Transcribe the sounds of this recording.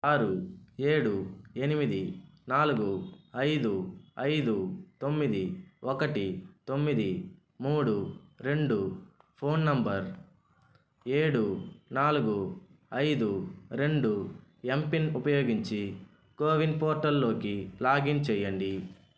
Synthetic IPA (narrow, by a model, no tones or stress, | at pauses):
aːɾue̞ːɽue̞nimid̪inaːluɡuɐjd̪uɐjd̪ut̪o̞mːid̪iɔkɐʈit̪o̞mːid̪i | muːɽuɾe̞ɳɖu | pʰo̞ːnːɐmbɐɾ | eːɽunaːluɡuɐjd̪uɾe̞ɳɖuempinupɐjo̞ːɡiɲt͡ʃi | koːʋinpoːɾʈɐlːo̞ːkilaːɡint͡ʃɛjːɐɳɖi